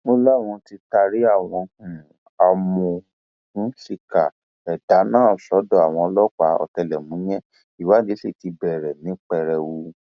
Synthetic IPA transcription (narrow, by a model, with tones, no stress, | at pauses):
mo˧la˦˨w̃ɔ̃˧ti˧ta˧ɾi˦a˦˨w̃ɔ̃˧hũ˨ | a˧mɔ̃˧˨ | hũ˨˦ʃi˦˨ka˨ | ɛ˨da˨˦nãː˦˨sɔ˨˦dɔ˦˨a˨w̃ɔ̃˧lɔ˦k͡pa˨˦ɔ̰˧˨tɛ˧lɛ˨mũ˨˦j̃ɛ̃˦ | i˨wa˨˦d͡ʒe˨˦se˦˨ti˧bɛ˨ɾɛ˨nĩ˨˦k͡pɛ˦˧˨ɾɛ˧wu˧˦